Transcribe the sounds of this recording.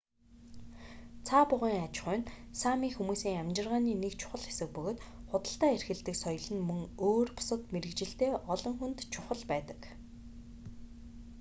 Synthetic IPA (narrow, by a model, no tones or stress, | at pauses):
t͡sʰapʊʁiːŋat͡ɕχʊːnsamiːxumuːsiːŋamt͡ɕɪ̆rʁaːniːnekt͡ɕʰʊ̥χə̆ɮxesɘ̆k̚pɵɣoːt̪χʊt̪ə̆ɬt̪æːerxɘ̆ɮt̪ɘ̆ksɔjɞ̆ɮɘ̆nmɵŋoːrpʊ̥sə̆t̪meɾɘ̆kt͡ɕɪ̆ɬt̪eːʔɔɮɞ̆ŋxunt̪t͡ɕʰʊχə̆ɮpæːt̪ə̥̆k